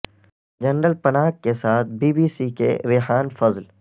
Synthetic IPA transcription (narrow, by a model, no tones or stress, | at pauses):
d͡ʒɐnɾəlpɐnaːkkesaːt̪̚ʰbiːbiːsikḛɾɪħaːnfɐzl